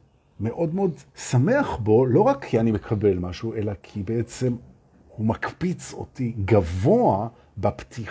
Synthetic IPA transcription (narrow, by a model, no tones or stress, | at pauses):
me̞ʔo̞dmeo̞dsame̞aχbo̞lo̞ʁakʰːianime̞kʰabe̞lmaʃuuʔe̞lakʰibeet͡se̞m | humakpit͡so̰tiɡavo̞a | bapt̪ʰi